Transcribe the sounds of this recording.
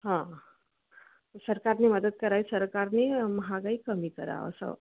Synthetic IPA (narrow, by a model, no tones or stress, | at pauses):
ɦã | səɾkaɾneməd̪əd̪̚kəɾaisəɾkaɾneməɦaɡəjkəmikəɾa̰o̰sə̰